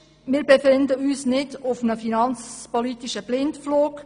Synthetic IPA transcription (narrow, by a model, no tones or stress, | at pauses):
mɪːɾbefɪndəyːsnɪdʊfnəfinɑnt͡spolitiʃəb̥lɪntfloːk